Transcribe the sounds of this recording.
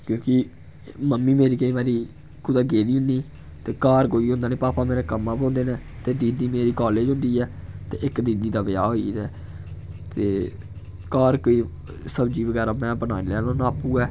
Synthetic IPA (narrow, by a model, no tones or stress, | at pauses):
kjõːkɪ | məmːiːmeːɾiːkəĩːbaːɾiː | kʊd̪aːɡeːliːʊnd̪iː | t̪eːkaːɾkoːiːɦõːnd̪aːnẽːpaːpaːmeːɾaːkəmːaːpõːnd̪eːnɛ̃ːt̪eːd̪iːd̪iːmeːɾiːkaːleːd͡ʒõʊ̃nd̪iːɛːt̪eːɪkd̪ĩːd̪iːd̪aːʋɪja̰ːɦoːiːɛː | t̪eː | kaːɾkoːiː | səbd͡ʒiːʋəɡɛːɾaːmɛ̃ːbənaːilɛːlõːnaːpũːɛː